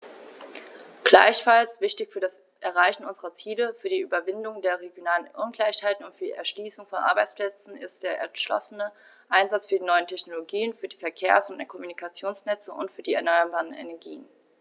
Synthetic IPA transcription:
ɡ̥la̰ɪçfalsv̥ɪçtɪçfyːɐɾas | ʔɛɐʁaɪçn̩ʔʊnzəʁɐt͡siːləfyːɐdiːʔyːbɐvɪndʊŋdeːɐʁ̞eɡjonaːlənʔʊnɡ̥laɪçhaɪtn̩ʊntfyːɐdiɛ̰ɐʃliːsʊŋfɔnʔa̰ɐbaɪt͡splɛt͡sn̩ɪ̰st̚d̥eːɐʔɛ̰ʃlɔ̰sənə | ʔaɪnzat͡sfyːɐdiːnɔʏəntʰɛçnoloɡiːənfyːɐdiːfɛɐkʰeːɐsʊntɛkʰɔmunikʰat͡sjoːnsnɛt͡səʔʊ̰ntfyːɐdiːɛɐnɔʏɐbaːʁənḛnɛɐɡḭːən

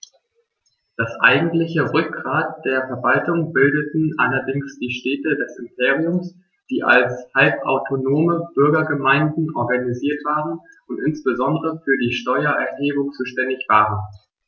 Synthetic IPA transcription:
d̥asʔa̰ɪɡŋ̩tlɪçəʁʏk̚ɡ̥ʁaːtd̥eːɐfɛɐvaltʊŋbɪldətn̩ʔa̰lɐdɪŋsd̥iːʃtɛːtədɛsɪmpʰeːʁ̞iʊms | d̥iːʔa̰lshalpʔa̰ʊtʰonoːməb̥ʏɐɡɐɡəmaɪndn̩ʔɔɐɡaniziːɐtv̥aːʁən | ʔʊntʔɪnsb̥əzɔndəʁəfyːɐdiːʃtɔʏɐʔɛɐɦeːbʊŋt͡suːʃtɛndɪçv̥aːʁən

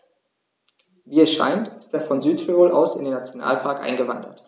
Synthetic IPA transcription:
viːɛsʃa̰ɪntɪst̚d̥eːɐfɔnzyːtʁioːlʔa̰ʊsɪ̰ndeːnat͡sjona̰ːlpʰaɐkʔa̰ɪnɡəvandɐ̰t

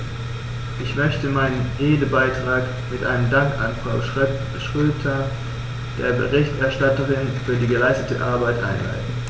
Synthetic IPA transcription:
ʔɪçmœçtəmaɪnənʔeːdəbaɪtʁ̥aːk | mɪtʔa̰ɪnəmdaŋka̰nfʁ̥aʊ | ʃʁ̥øːtʰɐ | d̥ḛːɐbə̰ʁɪçtɛɐʃtatɐʁɪnfyːɐdiːɡəlaɪstətə̰ʔa̰ɐbaɪtʔa̰ɪnla̰ɪtn̩

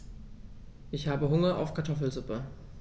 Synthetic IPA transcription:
ʔɪçhaːbəɦʊŋɐʔa̰ʊfkʰaɐtʰɔfl̩zʊpə

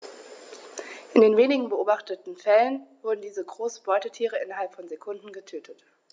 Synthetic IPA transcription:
ʔɪndeːnveːnɪɡŋ̩bəʔoːbaχtətn̩fɛlənvʊɐdn̩diːzəɡʁoːsb̥ɔʏtətʰiːʁəʔɪnɐɦalpfɔnzekʰʊndn̩ɡətʰøːtʰət

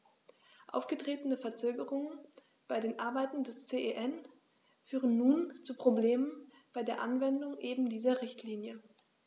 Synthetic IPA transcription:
ʔa̰ʊfɡ̥ətʁ̥eːtən̩əfɛɐt͡søːɡəʁʊŋən | b̥aɪdeːnʔaɐbaɪtn̩dɛst͡seːʔeʔɛn | fyːʁənːuːnt͡suːpʁ̥obleːmən | b̥aɪdeːɐʔanvɛndʊŋʔeːbm̩diːzɐʁɪçtʰliːnjə

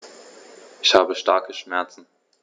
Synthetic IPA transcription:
ʔɪçhaːbəʃtaɐkəʃmɛɐt͡sn̩

